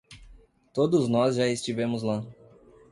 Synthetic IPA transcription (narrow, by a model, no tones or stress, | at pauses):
t̪od̪ʊznɔzʒaest͡ʃivẽmʊzla